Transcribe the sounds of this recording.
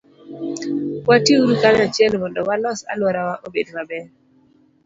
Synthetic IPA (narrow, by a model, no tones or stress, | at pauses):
watjeuɾukanɛat͡ʃɛlmɔndɔwalɔsa̰lwɔɾawaʔobedmabɛ